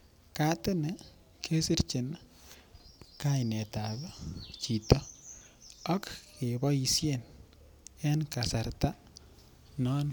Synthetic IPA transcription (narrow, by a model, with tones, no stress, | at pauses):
ka˦t̪ɪ˦nɛ˨ | kʰe˦si˦ɾt͡ʃɪ˨n | ka˦ɪ˨nɛ˨ta˨ðɔ˦t͡ʃi˨t̪ɔ˦ | ɔ˦kke˨bɔ˦i˨sje˦n | ɛ˦nka˨sa˨ɾt̪a˦ | nɔ˦n